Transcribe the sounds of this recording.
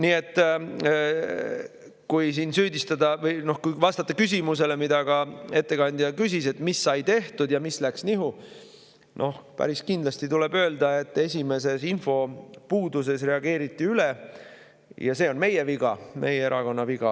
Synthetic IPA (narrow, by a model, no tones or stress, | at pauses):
niːe̞t̪ː | kujs̬insyːd̪ist̪ɑd̪ɑvɤjno̞hkujvɑst̪ɑt̪ːɑkys̬ʲimus̬e̞le̞mid̪̥ɑɡ̥ɑe̞t̪ːe̞kɑnʲd̪̥i̥ɑkys̬ʲise̞t̪ːmisːɑjt̪e̞ht̪ud̪̥jɑmislæksniɦu | nʔo̞hpæ̰ɾiskind̪lɑst̪it̪ule̞bøːld̪ɑe̞t̪ːe̞sʲime̞se̞sinfo̞puːd̪us̬e̞sre̞ɑɡe̞ːɾit̪ːiyle | jɑ̰se̞ːo̞nme̞jeviɡ̥ɑme̞̰jee̞ɾɑko̞nːɑviɡ̥ɑ̰